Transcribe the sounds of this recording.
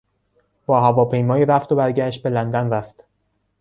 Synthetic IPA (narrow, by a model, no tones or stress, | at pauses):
b̥ɒːɦævɒːpʰe̞jmɒːiːɾæft̪obæɾɟæʃt̪̚be̞lænd̪ænræft̪